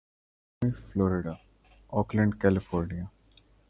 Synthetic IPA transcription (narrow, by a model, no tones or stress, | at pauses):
iflɔːɾɪɖa | ɔːklə̃ɳɖkɛlɪfɔːɾnia